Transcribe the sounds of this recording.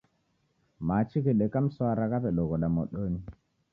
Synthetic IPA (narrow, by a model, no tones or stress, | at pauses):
mat͡ʃikeɗekamsɔaɾakapeɗoɡɔɗamo̰ɗoni